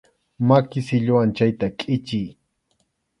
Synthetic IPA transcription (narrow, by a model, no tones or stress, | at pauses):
makɪsɪʎʊwant͡ʃajt̪akʼɪt͡ʃɪj